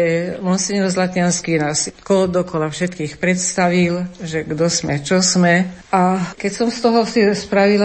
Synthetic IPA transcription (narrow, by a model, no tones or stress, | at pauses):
ɛmɔnsɛɲɛlzlat̪ɪanskiːnaːskɔld̪ɔkɔlafʃɛt̪kiːxpɾɛt̪st̪aʋilʒɛɡd̪ɔsmɛt͡ʃɔsmɛakɛcsɔmst̪ɔɦɔsispɾaʋil